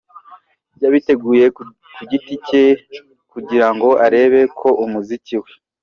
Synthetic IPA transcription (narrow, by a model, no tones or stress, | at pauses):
bɟaβite̞ɡuːje̞ | kuɟitice | kuɟiɾaŋɡo̞ʔaɾe̞ːβe̞kʰo̞ʔumuziciwe̞